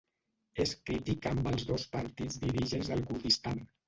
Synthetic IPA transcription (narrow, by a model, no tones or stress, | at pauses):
eskɾit̪ikambəlˠzðospəɾt̪id͡zðiɾiʒənzðəlˠɣuθist̪an